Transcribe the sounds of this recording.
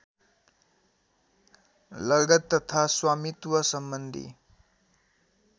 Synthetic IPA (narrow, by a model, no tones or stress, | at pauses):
lʌɡʌt̪ːʌt̪ʰaswamit̪wʌsʌmbʌnd̪ʱḭ